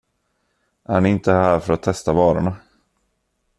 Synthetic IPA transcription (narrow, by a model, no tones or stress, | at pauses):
ʔæɾnɪɪnt̪əhæːɾfœɾat̪ʰːɛst̪avɑːɾa̰ɳa